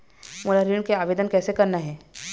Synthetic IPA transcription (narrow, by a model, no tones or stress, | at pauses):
molaɾiɳ̃keaːʋeːd̪ənkɛːsekɐɾnaɦɛː